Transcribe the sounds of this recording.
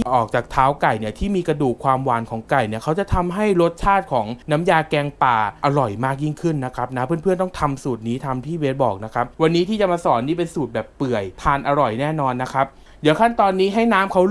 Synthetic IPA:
ʔɔː˨˩k̚t͡ɕaː˨˩k̚t̪ʰaː˦˥wka˨˩jni˥˩ɐt̪ʰiː˥˩miː˧kɾa˧duː˨˩kʰːwaː˧mwaː˩˦nkʰɔː˩˦ŋka˨˩jni˥˩ɐkʰa˦˥wt͡ɕa˨˩t̪ʰa˧mɦa˥˩jɾo˦˥t̪̚t͡ɕʰaː˥˩t̪̚kʰɔː˩˦ŋnaː˦˥mjaː˧kɛː˧ŋp̪aː˨˩ʔa˧ɾɔ˨˩jmaː˥˩k̚ji˥˩ŋkʰɯ˥˩nːa˦˥kʰɾa˦˥p̚naː˦˥mpʰɯ˥ənpʰɯ˥˩ənt̪ɔ˥˩ŋt̪ʰa˧msuː˨˩t̪̚niː˦˥t̪ʰa˧mt̪ʰiː˥˩weː˦˥t̪̚bɔː˨˩k̚na˦˥kʰa˦˥p̚wa˧nːiː˦˥t̪ʰiː˥˩t͡ɕa˨˩maː˧sɔː˩˦nːiː˥˩pe˧nsuː˨˩t̪̚bɛː˨˩pːɯ˨˩əjt̪ʰaː˧nʔa˧ɾɔ˨˩jnɛː˥˩nɔː˧nːa˦˥kʰɾa˦˥p̚ | dɯ˩˦kʰa˥˩nt̪ɔː˧nːiː˦˥ɦa˥˩jnaː˦˥mkʰa˦˥w

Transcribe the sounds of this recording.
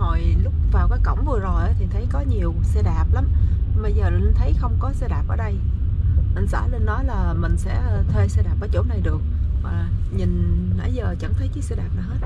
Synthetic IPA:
ho˨˩jlʊ˦˥k͡p̚vaː˨˩wkaː˨˦jkə̰˧˩wŋ͡mvɨ˨˩əzo˨˩jʔaː˨˦t̪ʰi˨˩t̪ʰə˨˦jkɔ˨˦ɲi˨˩əwsɛ˧ɗaː˨˩p̚la˨˦m˧ɓə˧jzəː˨˩li˨˩˨t̪ʰə˨˦jxə˧wŋ͡mkɔ˨˦sɛ˧ɗaː˨˩p̚ʔəː˧˩ɗə˧j | ʔï˨˩ŋ̟sa̰ː˧˩le˧nːɔ˨˦jlaː˨˩mï˨˩ŋ̟sɛ̰˧˥t̪ʰwe˧sɛ˧ɗaː˨˩p̚ʔəː˧˦jt͡ɕo̰˧˩˦na˨˩jɗɨ˨˩ək̚vaː˨˩ɲï˨˩ŋ̟ha̰ː˧˩˦jzəː˨˩t͡ɕə̰˧˥˩nt̪ʰə˨˦jkɨ˨˦sɛ˧ɗaː˨˩p̚na˨˩ɦə˦˥t̚

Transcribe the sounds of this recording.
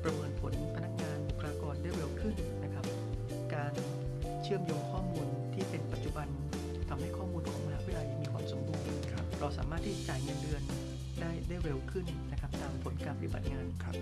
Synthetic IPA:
pɾa˧mɤː˧npʰo˨˩˦npʰa˧na˦˥k̚ŋaː˧n˨kʰaː˧kɔː˧ndaː˥˩jɾe˧wkʰɯ˥˩nːa˦˥kʰa˦˥p̚ | kaː˧n | t͡ɕʰɯ˥˩əmjoː˧ŋkʰɔː˥˩muː˧n | t̪ʰiː˥˩pe˧npa˨˩t̪̚t͡ɕu˨˩ba˧n | t̪ʰa˧mha˥˩jkʰɔː˥˩muː˧nu˧˩ʔm˧ha˦˥wi˦˥la˧˩jmiː˧kʰwaː˧mso˩˦mbuː˧nʔkʰa̰˦˥p̚ɾɔː˧sa̰ː˩˦maː˥˩t̪ʰːiː˥˩t͡ɕa˨˩t͡ɕaː˨˩jŋɤ˧ndɯ˧ən | daː˥˩jdaː˥˩jɾe˧wkʰɯ˥˩nːa˦˥kʰa˦˥p̚t̪aː˧mpʰo˩˦nkaː˧˩pa˧ɾi˥˩ba̰˨˩t̪̚ŋaː˧nkʰa˦˥p̚

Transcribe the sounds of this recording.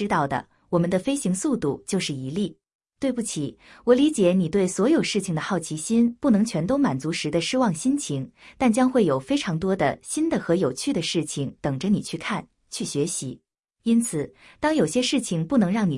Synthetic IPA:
ɻ̩˥t̪ɑ˥˩ʊd̪ə̰˩ | wɔ˨˩mə˦nd̪ə˧fe˥ɪɕi˧˥ŋsu˥˧t̪u˥˩t͡ɕjo˥˧ʊʂɻ̩˥˩i˧˥li˥˩ | t̪we˥˧ɪpu˥˩t͡ɕʰi˨˩wɔ˨˧˩li˧˥t͡ɕjɛ˧˥ni˨˩t̪we˥˩ɪswɔ˧˥jo˨˩ʊʂɻ̩˥˩t͡ɕʰi˩ŋd̪ə˩xɑ˥˩ʊt͡ɕʰi˧˥ɕi˥npu˥˩nɤ˧˥ŋt͡ɕʰɥɛ˧˥nt̪o˥ʊma˨˩nt͡su˧˥ʂɻ̩˧˥d̪ə˧ʂɻ̩˥wɑ˥˩ŋɕi˥nt͡ɕʰi˧˥ŋt̪a˥˩nt͡ɕjɑ˥ŋxwe˥˩ɪjo˨˩ʊfe˥ɪʈ͡ʂʰɑ˧˥ŋt̪wɔ˥d̪ə̰˨ɕi˥nd̪ə˨xɤ˧˥jo˨˩ʊt͡ɕʰy˥˩d̪ə˩ʂɻ̩˥˩t͡ɕʰi˨˩ŋt̪ɤ˨˩ŋʈ͡ʂə˦ni˨˩t͡ɕʰy˥˧kʰa˥˩n | t͡ɕʰy˥˩ɕɥɛ˧˥ɕi˧˥ | i˥nt͡sʰɹ̩˨˩ | t̪ɑ˥ŋjo˨˩ʊɕjɛ˥ʂɻ̩˥˩t͡ɕʰi˩ŋpu˥˩nɤ˧˥ŋɻɑ˥˩ŋni˨˩

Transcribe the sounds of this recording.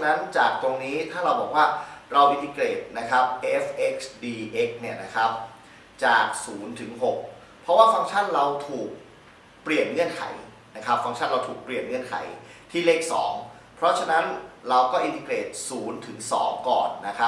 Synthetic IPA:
na˦˥nt͡ɕaː˨˩k̚t̪o˧ŋniː˦˥t̪ʰaː˥˩ɾa˧wbɔː˨˩k̚waː˥˩ɾa˧wʔi˧nt̪ʰiː˧kɾeː˨˩t̪̚na˦˥kʰɾa˦˥p̚ʔe˦˥fʔe˦˥k̚sdiː˧ʔe˦˥k̚ni˥˩ɐna˦˥kʰa˦˥p̚ | t͡ɕaː˨˩k̚suː˩˦nt̪ʰɯ˩˦ŋɦo˨˩k̚ | pʰɾɔ˦˥waː˥˩fa˦˥ŋt͡ɕʰa˥˩nɾa˧wt̪ʰuː˨˩k̚ | pli˨˩ənŋɯ˥˩ənkʰa̰˩˦j | na˦˥kʰɾa˦˥p̚fa˧˦˥ŋt͡ɕʰa˥˩nɾa˧wt̪ʰuː˨˩k̚pli˨˩ənŋɯ˥˩ənkʰa̰˩˦jt̪ʰiː˥˩leː˦˥˩k̚sɔ̰ː˩˦ŋ | pʰɾɔ˦˥t͡ɕʰa˧na˦˥nɾa˧wkɔː˥˩ʔi˧nt̪ʰiː˧kleː˨˩t̪̚suː˩˦nt̪ʰɯ˩˦ŋsɔ̰ː˩˦ŋkɔ̰ː˨˩nːa˦˥kʰa˦˥

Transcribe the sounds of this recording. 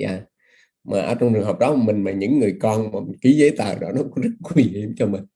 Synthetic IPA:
ja̰ː˧˩ | maː˨˩ʔə̰ː˧˩t͡ɕɔ˧ŋ͡mt͡ɕɨ˨˩əŋɦə˨˩wk͡p̚ɗɔ˨˦˨mï˨˩ŋ̟maː˨˩ɲɨ̰˧˥ŋːɨ˨˩əjkɔ˧nmaː˨˩˨ki˨˦zə˨˦t̪a̰ː˧˨ɗɔ˨˦nɔ˨˦kzə˦˥t̚kwi˧hi˧˩˨əmt͡ɕɔ˧mï˨˩ŋ̟

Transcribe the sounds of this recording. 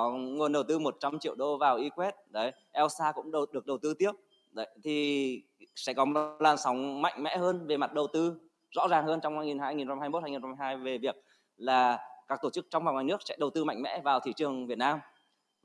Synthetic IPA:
ɔ˨˦ŋu˨˩ənɗə˨˩wt̪ɨ˧mo˨˩t̚t͡ɕa˧mt͡ɕḭ˧əwɗo˧vaː˨˩wʔi˨˧˦kwɛ˦˥t̚ɗə˨˦j | ʔɛ˧wsaː˧kʊ̰˧˥ŋ͡mɗɗɨ˨˩ək̚ɗə˨˩wt̪ɨ˧t̪i˦˥əp̚ | ɗə˨˦jt̪ʰi˨˩ | sɛ̰˧˥kɔ˨˦mo˨˩˨t̚laː˨˩sɔ˨˦wŋ͡mma̰˧˨jŋ̟mɛ̰˧˥ɦəː˧nve˨˩ma˨˩t̚ɗə˨˩wt̪ɨ˧ | zɔ̰˧˥zaː˨˩ŋɦəː˧nt͡ɕɔ˧wŋ͡mhaː˧jŋi˨˩nɦaː˧jŋi˨˩n˧mhaː˧jmo˦˥haː˧ŋi˨˩a˧a˧ɦaː˧jve˨˩vi˨˩ək̚ | laː˨˩kaː˦˥k̚t̪o˧˩t͡ɕɨ˦˥k̚t͡ɕɔ˧wŋ͡mvaː˨˩wŋaː˨˩nɨ˦˥ək̚sɛ̰˧˥ɗə˨˩wt̪ɨ˧ma̰˧˨jŋ̟mɛ̰˧˥vaː˨˩wt̪ʰḭ˧˩t͡ɕɨ˨˩əŋvi˨˩ət̚naː˧m

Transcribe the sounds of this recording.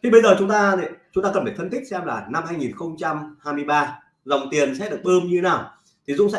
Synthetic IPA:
i˨˩ɓə˧jzəː˨˩t͡ɕʊ˨˦ŋ͡mt̪aː˧nḭ˧˨t͡ɕʊ˧˦ŋ͡mt̪aː˧kə˨˩a˧˩fə˧nt̪ʰi˦˥k̟̚sɛ˧mlaː˨˩na˧mhaː˧jŋi˨˩nxə˧wŋ͡mt͡ɕa˧mhaː˧jmɨ˧əjɓaː˧ | za˨˩wŋ͡mt̪i˨˩ənsɛ̰˧˥ɗɨ˨˩ək̚ɓɨ˧mɲɨ˧e˨˦naː˨˩w | t̪ʰi˨˩zʊ̰˧˥ŋ͡msɛ̰˧˥

